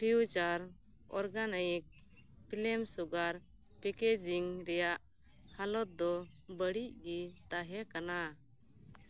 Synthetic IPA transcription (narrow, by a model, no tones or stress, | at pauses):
pʰiut͡ʃaɾ | ɔ̰ɾɡanajɛk̚ | pilɛmsuɡaɾ | pɛkɛd͡ʒiŋɾɛjaʔ | halɔt̪̚d̪ɔ | bəɽiʔ̚ɡit̪aɦɛkana